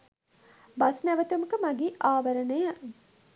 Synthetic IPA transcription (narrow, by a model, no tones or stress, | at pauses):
basnæʋət̪uməkəmaɡiːʔaːʋəɾənəjə